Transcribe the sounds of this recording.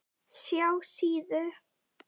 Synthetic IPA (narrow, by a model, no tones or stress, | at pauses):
sjawsiːðʏɾ